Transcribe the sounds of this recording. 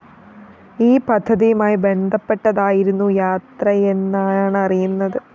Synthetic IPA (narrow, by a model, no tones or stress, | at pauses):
iːpɐd̪ʱːɐðijumaːjibe̞nd̪ʱɐpːe̞ʈːɐðaːjiɾunːujaːt̪rɐenːaːɳɨɐrijunːɐðɨ